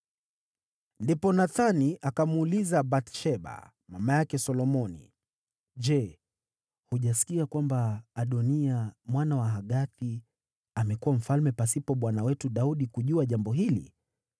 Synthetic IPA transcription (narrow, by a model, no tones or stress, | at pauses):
ndipɔnaθaniʔakamuulizabatʃɛɓa̰ | mamajakɛsɔlɔmɔnḭ | ʄɛ | huʄas̬i̥kiakwambaːɗɔniamwanawaɦaɠaθi | amɛkuwam̩falmɛpasipɔɓwanawɛtuɗauɗikuʄuaʄambɔɦilḭ